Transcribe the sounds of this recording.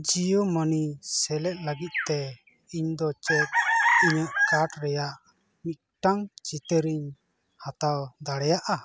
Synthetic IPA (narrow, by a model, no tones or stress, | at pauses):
d͡ʒijumənisɛlɛt̪̚ˀləɡit̪̚t̪ɛ | iɲd̪ɔt͡ʃɛt̪̚iɲəʔkaʈɾɛjaʔ | mit̪̚ʈaŋt͡ʃit̪əɾiɲ | hat̪awd̪aɽɛjaʔa